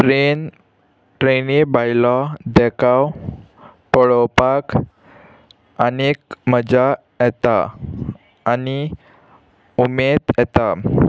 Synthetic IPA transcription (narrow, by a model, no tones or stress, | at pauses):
ʈɾen | ʈɾenibajlɔd̪ɛkʰaw | pəɭɔpak | ənek̚məd͡za | jɛt̪aː | ni | umed̪jɛt̪a